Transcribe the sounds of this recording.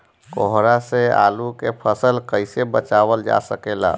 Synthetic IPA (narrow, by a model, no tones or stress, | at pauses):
kɔɦɾasea̰ːlukepʰəsəlkəɪsebət͡ʃaːwəld͡ʒa̰səkela̰